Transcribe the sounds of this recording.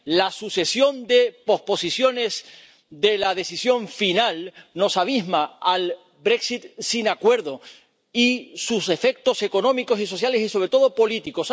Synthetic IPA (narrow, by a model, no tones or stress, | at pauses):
lasuse̞sjo̞nd̪e̞po̞spo̞sisjo̞ne̞z | d̪e̞lað̞e̞sisjõ̞ɱfinalno̞saβ̞izmaal | bɾe̞ksit̪̚sinakwe̞ɾðo̞ | isuse̞fe̞k̚t̪o̞se̞ko̞nõ̞miko̞siso̞θjale̞siso̞β̞ɾe̞t̪o̞ð̞o̞po̞lit̪iko̞s